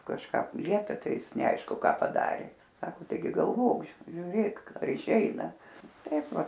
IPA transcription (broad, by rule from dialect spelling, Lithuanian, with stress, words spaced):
kɐʃˈkɑː ˈlʲiɛpʲɛ ˈtɐɪ ˈɪs nʲɛˈɐɪʃkʊ ˈkɑː pɐˈdɑːrʲeː ˈsɑːkoː tɐɪˈɡʲɪ ɡɐlˠˈʋoːk ʒʲʊˈrʲeːk ɐr ɪˈʃʲɛɪnɐ ˈtɐɪp ˈʋɐ